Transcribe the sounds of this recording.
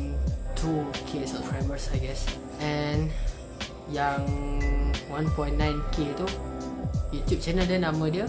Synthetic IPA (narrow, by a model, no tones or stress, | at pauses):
tʰukʰesɔfɹɛ̃məsajɡɛs | ʔɛn | jãŋ | wãnpɔ̃j̃nːãjnkʰet̪u | jut̪jup̚t͡ʃɛnəldɛnãmədiə